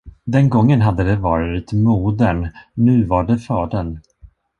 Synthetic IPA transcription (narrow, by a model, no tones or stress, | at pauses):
d̪ɛnɡɔŋːənɦad̪ːəd̪ɛvɑːɾɪt̪muːd̪əɳːʉ̟ːvaɖɛfɑːɖən